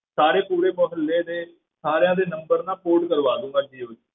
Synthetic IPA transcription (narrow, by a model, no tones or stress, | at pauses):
saːɾeːpuːɾeːmoɦəlːeːd̪eː | saːɾjãːd̪eːnəmbəɾnãːpoːɖkəɾʋaːd̪ũːɡaːd͡ʒiːɪ